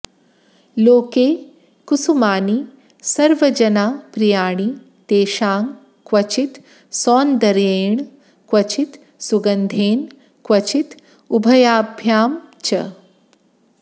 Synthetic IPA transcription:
loːkeː | kusumaːni | sɐɾʋɐd͡ʒɐnaːpɾijaːɳi | t̪eːʃaːŋɡ | kwɐt͡ʃit̪ | sɔːnd̪ɐɾeːɳ | kʋɐt͡ʃit̪ | suɡɐnd̪ʱeːn | kwɐt͡ʃit̪ | ubʱɐjaːbʱjaːmt͡ʃɐ

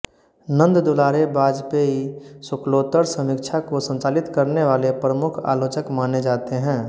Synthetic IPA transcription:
nə̃nd̪d̪olaːɾebaːd͡ʒpeɦisʊkloːt̪əɾsəmɪkt͡ʃʰakosə̃nt͡ʃaːlɪt̪kəɾneʋaːlepɾəmʊkʰa̰ːloːt͡ʃəkmaːned͡ʒaːt̪eɦɛ̃ː

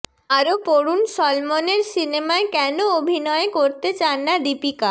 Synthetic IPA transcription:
aɾopoɾunʃɔlmoneɾsinemaekɛnoobʱinɔekoɾt̪et͡ɕanːad̪ipika

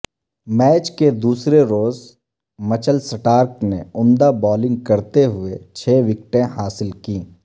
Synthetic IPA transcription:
mɛːt͡ʃked̪uːsɾeɾoːz | mɐt͡ʃəlsɪʈaːɾkneʊ̃nd̪abɔːlɪ̃ŋɡ̚kɐɾt̪eɦʊet͡ʃʰeːʋɪk̚ʈẽɦaːsɪlkĩː

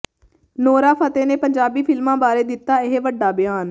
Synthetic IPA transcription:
noːɾaːpʰət̪eːneːpəɲd͡ʒaːbiːpʰɪlmãːbaːɾeːd̪ɪt̪ːaːɪɦʋəɖːaːbɪjaːn

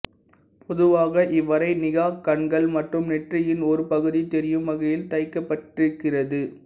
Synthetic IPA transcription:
pʰɔðɯʋaːɣɐʔɪʋːɐɾɐɪnɪɣaːkːɐɳɡɐɭmɐʈrɯmnɛʈrɪjɪnɔɾɯpɐɣɯðit̪ɛɾɪjɯmːɐɣɐjɪlt̪ɐɪkːɐpːɐʈːɪɯkːɪrɐðɯ

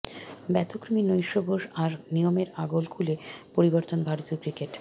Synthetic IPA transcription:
bɛt̪okɾominojʃobʱoʃaɾnijomeɾaɡolkʰulepoɾiboɾt̪onbʱaɾit̪okɾikeʈ

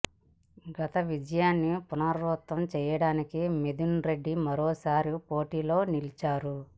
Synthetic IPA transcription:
ɡɐt̪ɐʋid͡ʒɐjaːnːipunaːɾɾuːt̪ːɐmt͡ʃɛːjɐɽaːnikimed̪unɾe̞ɖːimɐɾɔːsaːɾipoːʈiːlo̞ːnilit͡ʃaːɾu

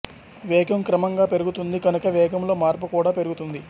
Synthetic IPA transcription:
ʋɛːɡɐmkɾɐmɐŋɡaːpe̞ɾuɡut̪und̪iɡɐnukɐʋɛːɡɐmlo̞ːmaːɾpukuːɽaːpe̞ɾuɡut̪und̪i

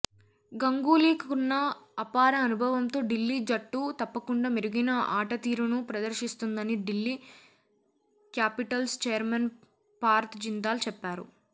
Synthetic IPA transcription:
ɡɐŋɡuːliːkunːɐːpaːɾɐːnubʱɐʋɐmt̪o̞ːɖilːid͡ʒɐʈːut̪ɐpːɐkuɳɖaːmiɾuɡinɐʔaːʈɐt̪iːɾunupɾɐd̪ɐɾʃist̪und̪ɐniɖilːi | kjaːpiʈɐlst͡ʃejɐɾmɐn | paːɾt̪d͡ʒind̪aːlut͡ʃɛpːaːɾṵ

